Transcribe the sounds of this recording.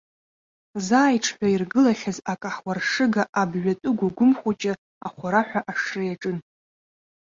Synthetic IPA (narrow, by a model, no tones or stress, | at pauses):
zaːjʈ͡ʂʰħʷᶣairɡɨlaχʲazakʼaħwarʂɨɡaʔabʒʷᶣatʼɨɡʷaɡʷʊmχʷat͡ʃʼɪ | aχʷaɾaħʷᶣaʔaʂrejaʈ͡ʂʼɨn